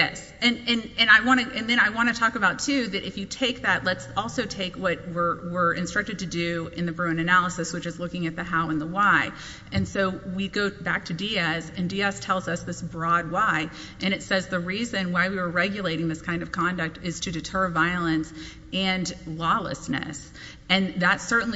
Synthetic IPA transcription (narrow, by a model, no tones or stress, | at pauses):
jɛ̰s | ɨ̃nɨ̃nɨ̃naɪwɑ̃ɾ̃ɨʔɨ̃nðɨ̃ɾ̃aɪwɑ̃ɾ̃ɨtʰɔkɨbaʊtʰʉðɨɾʔɨfjɨtʰeɪk̚ðɨtˡlətsɔlˠsoʊtʰeɪkwʌt̚wɪɹwɪɹʔɨ̃nstɹ̥ʌk̚tɨd̚tʰɨdʉɨ̃nðɨbɹõɨ̃nɨnælˠəsɨswɨt͡ʃɨzlʊkɪ̃ŋɨt̪̚ðɨɦaʊə̃nðəwaɪ | ɨ̃nsoʊwiɡoʊbæk̚tʰɨdiɛsɨ̃ndiɛstʰɛlˠzʌsðɪsbɹɔd̚waɪ | ʔɨ̃ɾ̃ɨtsɛzðɨɹizɨ̃nwaɪwiwə˞ɹɛɡjɨleɪɾɪ̃ŋðɪskʰãɪ̃ndʌv̥kʰɑ̃ndɨk̚tɪz̥tʰɨdɨtʰɜ˞vaɪl̩ˠɨ̃ns | ɨ̃nlɔlˠə̰snɨ̰s | ɨ̃nðɨtsɜ˞ʔn̩l